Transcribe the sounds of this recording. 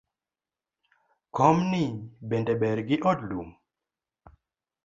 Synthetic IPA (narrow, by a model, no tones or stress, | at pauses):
kɔmnibendɛbɛɾɡɪʔɔdlum